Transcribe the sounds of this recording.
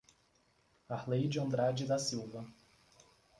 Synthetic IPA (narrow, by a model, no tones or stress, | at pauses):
ahlejd͡ʒɪɐ̃nd̪ɾad͡ʒɪd̪ɐsiwvɐ